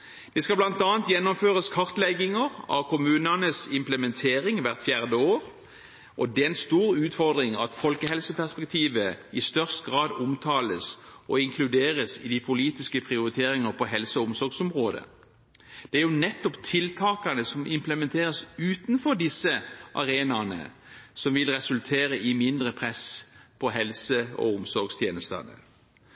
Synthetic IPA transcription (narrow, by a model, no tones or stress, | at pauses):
d̪̥ɛskɑblɑnt̪ɑːnt̪jɛnːɔmføːʁəskʰɑʁt̪lɛɡɪŋəʁɑ̰ʋkʰʊmʉːnɑnəsɪmpləmɛnt̪ʰeːɾɪŋʋæʁt̪fjæːʁd̪əoːʁ | ʔɔd̪ɛɛnst̪uːʁʉːt̪fɔʁd̪ʁɪŋɑ̰t̪fɔlkəɦɛlsəpʰæʁspɛk̚t̪ʰiːʋəɪst̪œʁst̪ɡʁɑːd̪ʊmt̪ʰɑːləsʔɔɪŋkʰlʉd̪eːʁəsɪd̪ɪpʰʊliːt̪ɪskəpʰʁɪʊʁɪt̪ʰeːɾɪŋəʁpʰɔɦɛlsəɔʊmsɔɾɡsɔmʁoːd̪ə̰ | d̪̥ɛæɾjʊnɛt̪ːɔpt̪ʰɪlt̪ʰɑːkɑnəsɔmʔɪmpləmɛnt̪ʰeːʁəsʉːt̪nfɔɾd̪ɪsːəʔɑ̰ʁeːnɑnə̰ | sɔmʋɪlʁɛsʉlt̪ʰeːɾəʔɪmɪnd̪ʁəpʰʁɛspʰɔɦɛlsəɔ̰ʊmsɔɾɡst̪ʰjeːnəst̪ɑ̰nə̰